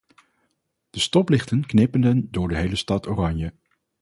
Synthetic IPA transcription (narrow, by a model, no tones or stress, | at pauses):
d̥əstɔplɪχtənknɪpəndəndʊːɹdəɦejləstɑtoːrɑɲjə